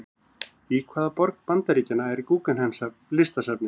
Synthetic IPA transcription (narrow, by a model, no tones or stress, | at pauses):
ikʰvaːðapɔɾkpant̪aɾiːcɪnːaɛɾikuːkanhɛmsa | lɪst̪asapnɪ